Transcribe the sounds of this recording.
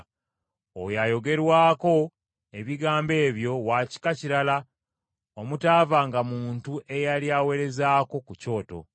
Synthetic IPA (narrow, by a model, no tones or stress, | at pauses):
o̰jajo̞ɡe̞ɾwaːko̞ | e̞βiɡaːmbe̞ːβjo̞waːci̥kaciɾala | omutaːvaŋɡamuːntuʔe̞jaljawe̞ɾe̞zaːko̞kuco̞ːto̞̰